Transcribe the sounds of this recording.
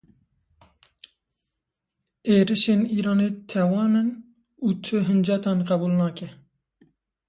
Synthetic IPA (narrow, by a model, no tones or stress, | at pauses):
eːɾɨʃeːniːɾɑːnet̪ʰɛwɑːnɨn | uːt̪ʰɨɦɨnd͡ʒɛt̪ɑːnqæbuːlnɑːkʰɛ